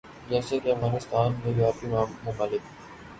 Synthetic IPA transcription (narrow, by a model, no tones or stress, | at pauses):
d͡ʒɛːsekeɐfɣaːnɪst̪aːnmẽjaːpimaːmʊmalɪk